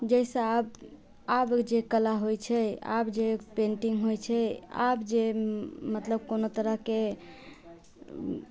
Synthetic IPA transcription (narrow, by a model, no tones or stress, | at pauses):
d͡ʒəjsə̃ab | abd͡ʒekəlaɦojt͡ʃʰɛa̰bd͡ʒepẽɳʈiŋɡɦojt͡ʃʰɛa̰bd͡ʒemət̪ləbkonot̪əɾəɦke